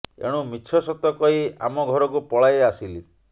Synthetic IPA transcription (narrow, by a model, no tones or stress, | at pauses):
ḛɽ̃ũmit͡ʃʰɔsɔt̪ɔkɔɦia̰mɔɡʱɔɾɔk̬upɔɭajeasili